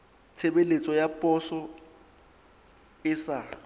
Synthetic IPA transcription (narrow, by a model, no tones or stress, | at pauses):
t͡sʰebelet͡sʼɔjapʼɔsɔ | ɪsa